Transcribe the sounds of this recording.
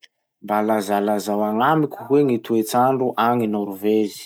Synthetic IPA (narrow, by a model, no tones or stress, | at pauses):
mbalazalazawaŋamikʲu̥weŋit̪uet͡saɳɖ͡ʐuʔaŋinaɾuvezi̥